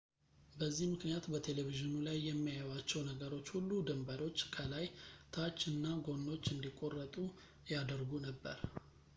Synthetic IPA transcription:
bəzːihmɨknijat̪bət̪ʰe̞leviʒɨnulajːɛmːijajwat͡ʃːɛwnəɡəɾo̞t͡ʃːhulːud̪ɨmbəɾo̞t͡ʃːkʰəlajt̪ʰat͡ʃːɨnːaɡo̞nːo̞t͡ʃːɨnd̪ikʼːo̞rːət̪ʼu | jad̪əɾɡunəbːə̰ɾ

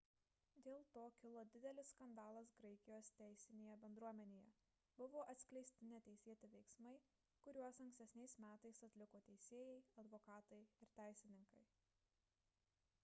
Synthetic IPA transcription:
d̪ʲeːlˠt̪oːkʲɪlˠod̪ʲɪd̪ʲɛlʲɪsskɐnd̪ɑːlˠɐsɡɾɐɪkʲɪjoːst̪ʲæˑɪsʲɪnʲeːjɛbʲɛnd̪ɾuɔmʲɛnʲeːjɛ | bʊʋoːʔɐt̪sʲkʲlʲɛɪsʲt̪ʲɪnʲɛt̪ʲɛɪsʲeːt̪ʲɪʋʲɛɪksmɐɪ | kʊɾʲuɔsɐ̃ŋksʲt̪ʲɛsʲnʲɛɪsmʲæːt̪ɐɪsɐt̪ʲlʲɪkoːt̪ʲɛɪsʲeːjɛɪɐd̪ʋoːkɑːt̪ɐɪɪɾt̪ʲæˑɪsʲɪnʲɪŋkɐɪ

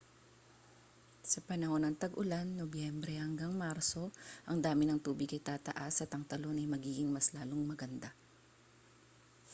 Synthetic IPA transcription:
sɐpɐnɐho̞nɐŋt̪ɐɡʊlanːobjɛmbɾɛhɐŋɡaŋmaɾso̞ʔɐŋd̪aːmɪnɐŋt̪uːbɪɡ̚kɐjt̪aːt̪ɐ̰ʔasɐt̪ɐŋt̪ɐlo̞nɐjmɐɡiːɡɪŋmɐslaːloŋmɐɡɐnd̪a

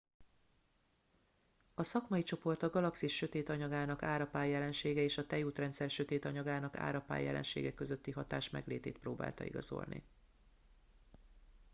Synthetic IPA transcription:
ɒsɒkmɒjit͡ʃo̞po̞rt̪ɒɡɒlɒksiʃːø̞t̪eːt̪ɒɲɒɡaːnɒkaːɾɒpaːjːɛlɛnʃeːɡɛeːʃɒt̪ɛjuːt̪rɛnt̪sɛrʃø̞t̪eːt̪ɒɲɒɡaːnɒka̰ːɾɒpa̰ːjɛ̰lʔɛ̰nʃḛːɡɛkːø̞zø̞t̪ːiɦɒt̪a̰ːʃmɛ̰ɡleːt̪ḛːt̪̚proːba̰ːlt̪ɒ̰ḭɡɒ̰zo̞̰lnḭ

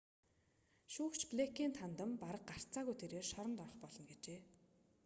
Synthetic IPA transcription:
ʃuːkt͡ɕʰpɮekiːnt̪ʰant̪ə̆mpaɾə̆q̚ɢar̥t͡sʰaːɣujt̪ʰeɾeːrʃɔɾɞ̆nt̪ɔrɞ̆χpɔɮɞ̆nɡet͡ɕeː

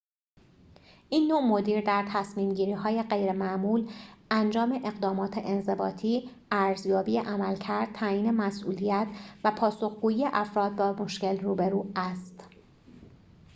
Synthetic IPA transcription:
ʔiːnːo̞mo̞d̪iːɾd̪æɾt̪ʰæsmiːmɟiːɾiːɦɒːje̞ɢe̞jɾemæʔmuːlʔænd͡ʒɒːme̞ʔe̞ɣd̪ɒːmɒːt̪ʰeʔenze̞bɒ̰ːt̪ʰiː | ʔæɾzjɒːbiːeʔæmælcʰæɾd̪̚t̪ʰæjiːne̞mæsʔuːlijæt̪ʰvæpʰɒːso̞xɡuːjiːje̞ʔæfɾɒːd̪̚bɒːmo̞ʃce̞lruːbe̞ɾuːæst̪

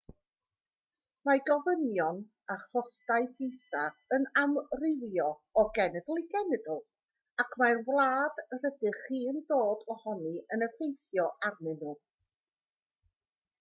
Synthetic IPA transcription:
maɡɔvənjɔn | aχɔstaɨfɪjsaənamrɪvjɔɔɡɛnɛdlˠiɡɛnɛdlˠ | akʰmarvlˠaːdrədɨχiːəndoːdɔhɔniənəfejθjɔʔarnɨnuː

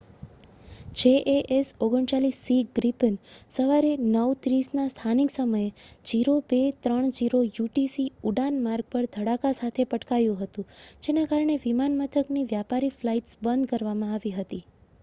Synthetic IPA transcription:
d͡ʒeʔeʔesoɡəɳt͡ʃalisːiɡɾipənsəʋaɾenəʋt̪ɾisnast̪ʰaniksəməjed͡ʒiɾobet̪ɾəɳ̃d͡ʒiɾojuʈisiuɖanmaɾɡ̚pəɾd̪ʱəɽakasat̪ʰepəʈkajũɦət̪ũd͡ʒenakaɾəɳeʋimanmət̪ʰəkniʋjapaɾiflaiʈsbənd̪kəɾʋamãaʋiɦət̪i

